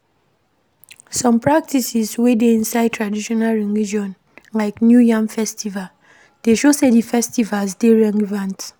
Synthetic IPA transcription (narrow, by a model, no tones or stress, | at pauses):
sɔ̃mpɹak̚tisiswedeĩnsaɪd̚tʰɹadiʃɔnalɹĩnɹid͡ʒiɔ̃n | laɪknjujãŋfɛstival | d̥eʃosedifɛstivalsdeɹɛŋvãnt